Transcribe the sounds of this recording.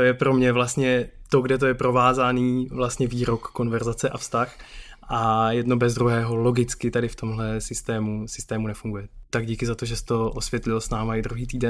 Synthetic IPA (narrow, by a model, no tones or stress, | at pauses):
t̪ojɛpɾo̞mɲɛvlast̪ɲɛt̪o̞ɡdɛt̪o̞jɛpɾo̞vaːzaːniːvlast̪ɲɛviːɾo̞kːo̞nvɛɾzat͡sɛʔafst̪axʔʔajɛdno̞bɛzd̪ɾuɦɛːɦo̞lo̞ɡɪt͡skɪt̪adɪft̪o̞mɦlɛsɪst̪ɛːmusɪ̥st̪ɛːmunɛfuŋɡujɛt̪aɡɟikɪzat̪oʒɛst̪o̞ʔosvjɛt̪lɪlsnaːmaɪd̪ɾuɦiːt̪iːdɛn